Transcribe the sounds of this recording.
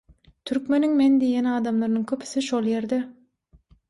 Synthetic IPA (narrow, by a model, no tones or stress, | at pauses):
t̪ʰyɾkme̞nyŋmend̪ijenɑːd̪ɑmlˠɑɾnɯŋkʲʰøpʰy̥θiʃolˠje̞ɾd̪e